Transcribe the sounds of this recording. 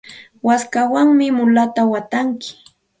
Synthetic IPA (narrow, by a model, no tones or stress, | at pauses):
waskawaŋmɪmʊlat̪awat̪aŋkɪ̥